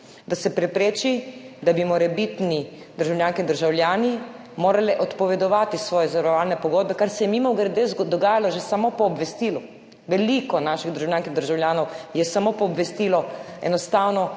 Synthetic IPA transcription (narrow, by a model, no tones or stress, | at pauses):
d̪asɛpɾɛpɾeːt͡ʃid̪abimɔɾɛbit̪ni | d̪̥əɾʒawljaːŋkind̪əɾʒawljaːni | moːɾalɛʔɔt̪pɔʋɛd̪ɔʋaːt̪isʋɔːjɛzaʋaɾɔʋaːlnɛpɔɡoːd̪̚bɛkaɾsɛjɛmimɔwɡɾɛd̪ezd̪ɔɡaːjalɔʒesamopɔːbʋɛst̪iːlu | ʋɛlikɔnaːʃiɣd̪əɾʒawljaːŋkind̪əɾʒawljaːnɔwjɛsamopɔːbʋɛst̪iːlɔɛ̰nɔst̪aːwnɔ